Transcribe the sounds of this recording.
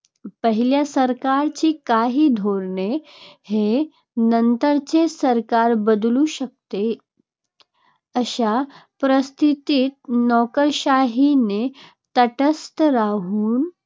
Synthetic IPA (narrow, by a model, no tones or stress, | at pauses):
pəɦiljasəɾkaɾt͡ɕiːkaɦiːd̪ʱoɾɳehe | nənt̪əɾt͡sesəɾkaɾbəd̪luɕək̚t̪e | əɕapɾəst̪ʰit̪iːt̪̚nɔkəɾɕaɦine | t̪əʈəst̪əɾaɦuːn